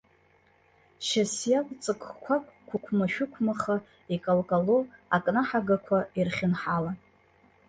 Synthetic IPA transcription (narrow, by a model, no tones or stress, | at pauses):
ʃasjalʼt͡sʼɨkʰʼkʷʰakʷʰʼkʷʰʊkʷʰmaʃᶣʊkʷʰmaχa | ikʼalkʼaloakʼnaħaɡakʷʰairχʲɪnħala